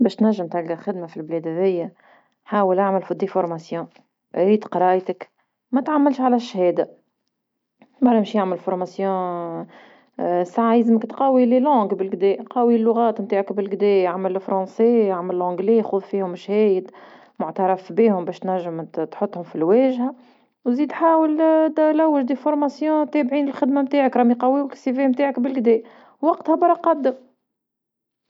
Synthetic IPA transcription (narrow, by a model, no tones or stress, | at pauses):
bɛːʃt̪næʒːɪmt̪alkaxɪd̪mafilblɛːd̪hæðɪjːa | ħaːwəlʔaʕməlfʊd̪ifʊɾˤmasjɔ̃ː | ɾiːd̪qɑɾˤɑːjt̪ək | mæt̪ʕamːɪlʃʕalæʃhɛːd̪a | baɾˤæmʃjaʕmɪlfʊɾˤmasjɔ̃ː | saʕzɪməkt̪qɑːwililɔ̃ːɡbɪlɡd̪ɛːqɑːwilːʊɣɑːt̪mt̪aːʕəkbɪlɡd̪ɛːjaʕmɪlfɾˤɑ̃ːnsijaʕməllʕɔ̃ɡlejxuːðfiːhʊmːɪʃhɛːjəd̪ | mʊʕt̪ɑɾˤɑfbiːhʊmbɛːʃt̪næʒːəmt̪ħʊt̪ˤːhʊmfilwɛːʒha | wziːd̪ħaːwəlt̪læwːɪʒd̪ifʊɾˤmæsjɔ̃t̪ɛːbʕiːnɪlxɪd̪mamt̪aːʕakɾˤɑmiqɑwiwɪksifɛmt̪aːʕəkbɪlɡd̪ɛːʔ | wɑqt̪habɑɾˤɑqɑd̪ːəm